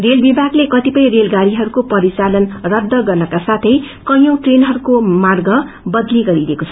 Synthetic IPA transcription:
relbibʱaɡlekʌt̪ipʌj̃relɡaɾiɦʌɾukopʌɾit͡salʌnrʌd̪ːʌɡʌrnʌkasat̪ʰʌj | kʌjõʈrenɦʌɾukomarɡʌ | bʌd̪liɡʌɾidekot͡sʰʌ

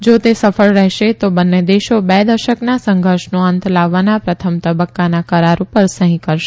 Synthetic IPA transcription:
d͡ʒot̪esəfəɭɾɛɦʃet̪obənːed̪eʃobɛd̪əɾʃəknasə̃ŋɡʱəɾʃnoənt̪ʰlaʋːanapɾət̪ʰəmt̪əbəkːanakəɾaɾũpəɾsəɦĩkəɾʃe

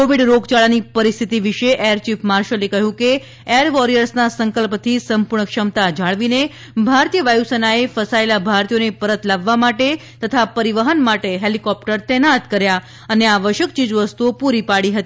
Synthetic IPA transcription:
koʋiɖɾoɡt͡ʃaɭanipəɾist̪ʰit̪iʋiʃeʔeɾt͡ʃipmaɾʃəlekəɦjũke | eəɾʋɔɾijəɾsnasəŋkəlpt̪ʰisəmpuɾɳəkʃəmt̪ad͡ʒʱaɭʋine | bʱaɾt̪ijəʋajusənaefəsaelabʱaɾt̪ijonepəɾət̪laʋːamaʈe | t̪ət̪ʰapəɾiʋəɦənmaʈeɦelikɔp̚ʈəɾt̪ɛnat̪kəɾja | əneaʋəʃjəkt͡ʃid͡ʒʋəst̪uopuɾipaɽiɦət̪ii

